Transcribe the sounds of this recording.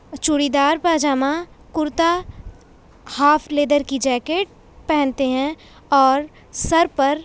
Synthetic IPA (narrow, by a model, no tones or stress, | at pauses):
t͡ʃʊɽid̪aːɾpaːd͡ʒaːmã | kʊɾt̪a | haːfʰleːd̪əɾkid͡ʒɛːkeːʈ̚ | pɛɦɛ̃nt̪eɦɛ̃ | ɔːɾ | sɐɾpɐɾ